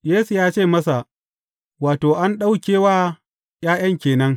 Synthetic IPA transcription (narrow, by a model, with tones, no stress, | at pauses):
jeː˦su˨jaː˦t͡ʃeː˦˨mɐ˦sa˨ʔ | waː˨toː˨ʔa˦nɗa˦wkʲeː˦waː˦ | j̰aː˦j̰ɐ˦ŋkʲeː˨nɐ˦ŋ